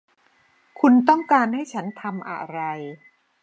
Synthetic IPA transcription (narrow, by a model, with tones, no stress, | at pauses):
kʰu˧nt̪ɔ˥˩ŋkaː˧nha˥˩jt͡ɕʰa˦˥nt̪ʰa˧mʔa̰˨˩ɾa˧j